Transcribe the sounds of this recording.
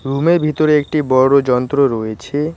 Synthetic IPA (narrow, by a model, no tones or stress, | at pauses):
ɾumeɾbʱit̪oɾeek̚ʈibɔɾːod͡ʑɔnt̪ɾoɾɔjet͡ɕʰe